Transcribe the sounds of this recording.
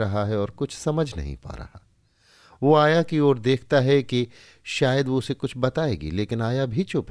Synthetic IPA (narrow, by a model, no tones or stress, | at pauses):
ɾɐɦaɦɛɔːɾkʊt͡ʃʰsɐməd͡ʒʱnɐ̰ɦḭ̃pa̰ːɾɐ̰haː | ʋoːaːjakiɔːɾd̪eːkʰt̪aɦɛki | ʃaːjəd̪ʋoːsekʊt͡ʃʰbɐt̪aːeːɡḭleːkɪnaːjabʱit͡ʃʊp